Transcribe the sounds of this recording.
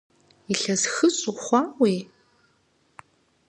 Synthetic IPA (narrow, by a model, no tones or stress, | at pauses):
iɬɐzxɨɕʼuχʷɑːweː